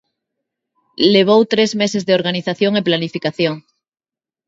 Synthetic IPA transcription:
le̞β̞owt̪ɾezmesezðeo̞ɾɣaniθaθjoŋeplanifikaθjoŋ

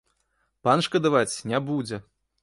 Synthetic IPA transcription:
panʂkɐd̪avat͡sʲnʲabud͡zʲɛ

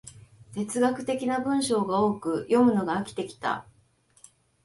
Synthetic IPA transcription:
t̪e̞t͡sɨɡakɯ̟̥t̪e̞kʲinabɯ̟̃ɰ̃ɕo̞ːɡao̞ːkɯ̟jʔo̞mɯ̟no̞ɡaːkʲi̥t̪e̞kʲi̥t̪a̰

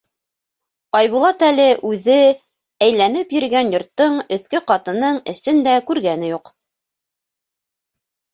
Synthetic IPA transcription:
ɑjβulˠɑt̪ælɘʔʉðɘ | æjlænɘpjɵ̆ɾɡænjŏɾt̪ːɤɴɵ̆θkɵqɑt̪ɤ̆nɤɴɘ̆sɘnd̪ækʉɾɡænɘjuq

